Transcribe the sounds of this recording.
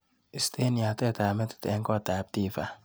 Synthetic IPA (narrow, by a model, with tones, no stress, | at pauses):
ɪ˨st̪e˦ni˨a˨t̪ɛ˦t̪a˨mɛ˦t̪ɪ̥t̪ɛ˨˦ŋkɔ˦t̪a˨p̚t̪i˦fa˨